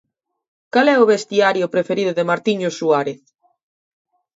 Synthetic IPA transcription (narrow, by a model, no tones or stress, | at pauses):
kalɛʊβest̪iaɾjʊpɾefeɾiðʊðemaɾt̪iɲosuaɾeθ